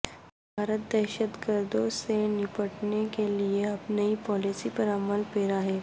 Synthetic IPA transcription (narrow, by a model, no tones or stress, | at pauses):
bʱaːɾət̪̚d̪ɛːʃət̪ɡəɾd̪õsenɪpəʈnekelieɐpnɐipɔːlisipɐɾɐməlpeːɾaɦɛː